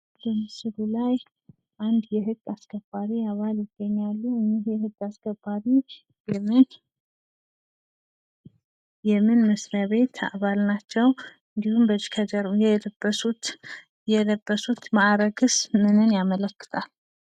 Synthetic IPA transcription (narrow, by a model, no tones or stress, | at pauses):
d̪ɨmsɨɾulaj | ʔand̪jɛɦɨɡːaskʰəb̥ːaɾiaβaljɪɡːəɲːalːuɨɲːihjɛhɨɡːaskʰəbːaɾi | ɛmɨn | jɛmɨnməsɾaβe̞t̪ʰa̰βalnat͡ʃːɛw | ɨnd̪ihumbəd͡ʒkʰəd͡ʒəɾujɛləbəsut̪ | jɛləbːəsut̪maʔɾəɡɨsmɨnɨnjamələkːɨ̥t̪ʰal